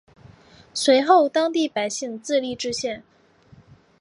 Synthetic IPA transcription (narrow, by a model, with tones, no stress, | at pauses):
swe˧˥ɪxo˥˩ʊt̪ɑ˥ŋt̪i˥˩pa˨˩ɪɕi˥˧ŋt͡sɹ̩˥˧li˥˩ʈ͡ʂɻ̩˥ɕjɛ˥˩n